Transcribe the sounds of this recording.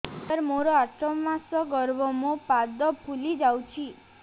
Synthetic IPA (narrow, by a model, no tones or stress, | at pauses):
əɾmoɾɔat͡ʃɔmmasɔɡɔɾbɔmɔ̃pad̪ɔpʰulid͡ʒawt͡ʃʰi